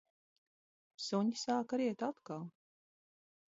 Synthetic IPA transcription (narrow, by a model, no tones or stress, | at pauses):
suɲisaːkaɾiɛt̪at̪kalˠ